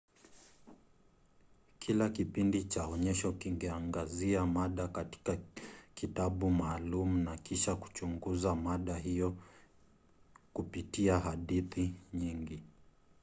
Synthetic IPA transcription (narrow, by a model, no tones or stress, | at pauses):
kʰilakipindit͡ʃaɔɲɛʃɔkiŋɡɛaŋɡaziamaɗakati̥kakitaɓumaːlumunakiʃaku̥t͡ʃuŋɡuzamaɗaɦijɔ | kupitiaɦaɗiθiɲiŋɡi